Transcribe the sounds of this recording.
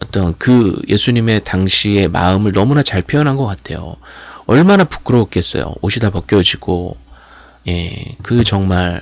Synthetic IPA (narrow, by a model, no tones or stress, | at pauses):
ʌt͈ʌnkɯjʔe̞̰sʰuɲime̞taŋɕʰie̞ma̰ɯmɯɭnʌmunat͡ɕaɭpʰjojʌnɦanɡʌk͈atʰe̞̰jo̰ʌɭmanapu̥k͈ɯɾok̚k͈e̞s͈ʌ̰jo̰oɕʰidapʌk͈jʌd͡ʑiɡ̥o | je̞kɯt͡ɕʌŋmaɭ